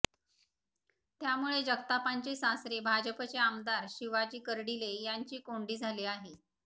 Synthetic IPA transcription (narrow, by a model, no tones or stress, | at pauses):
t̪jamuɭed͡ʑəɡt̪apaɲt͡ɕesãsɾebʱad͡ʑəpət͡seamd̪aɾɕiʋad͡ʑiːkəɾɽilejaɲt͡ɕiːkoɳɖiːd͡zʱaliːaɦe